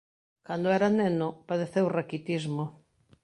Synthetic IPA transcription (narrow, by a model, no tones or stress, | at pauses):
kand̪oɛɾanenopaðeθewrakit̪izmo